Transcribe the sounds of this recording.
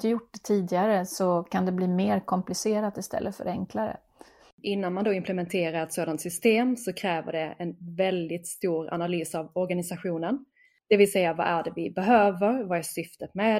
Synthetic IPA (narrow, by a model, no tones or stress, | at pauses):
t̪jʊʈ̚ːdɛt̪ʰiːd̪ɪɡaɾəsɔkʰand̪ɛbliːmeːɾkʰɔmplɪseːɾat̪ɪst̪ʰɛ̰lːəfœ̰ɾɛŋklaɾə̰ | ʔɪnːanmand̪oːɪmplɛmɛnt̪ʰeːɾaɾɛt̪soːd̪ant̪sʏst̪eːmsɔkʰɾɛːvə̰ɖɛɛnvɛld̪ɪt̪st̪uːɾa̰nalyːsavɔɾɡanɪsaɧuːnən | d̪̥ɛvɪlsɛjːava̰ʔæɖɛvɪbɛɦøːvəɾvaæʂʏft̪ət̪mɛ